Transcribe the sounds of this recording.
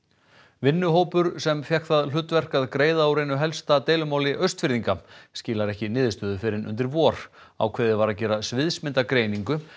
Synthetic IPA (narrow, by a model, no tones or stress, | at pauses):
vɪnːʏɦoːwpʏɾsɛmfjɛhkθaðl̥ʏt̪vɛr̥kaðkɾeːjðaawɾejnʏɦɛlst̪at̪eːjlʏmaːwlɪʔœɥst̪fɪɾðiŋkascɪːlaɾɛhcɪnɪːðɪst̪œːðʏfɪɾɪnʔʏ̰nt̪ɪɾvɔːɾ̥ | a̰wkʰvɛːðɪvaɾaðcɛːɾasvɪðsmɪnt̪akɾejniŋkʏ